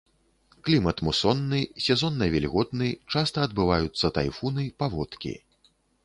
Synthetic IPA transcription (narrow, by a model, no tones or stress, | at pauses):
klʲimɐt̪musɔnːɨsʲɛzɔnːɐvʲɛlʲɣɔd̪nɨt͡ʂast̪ɐːd̪bɨvajut̪sːɐt̪a̰jfunɨpavɔt̪kʲḭ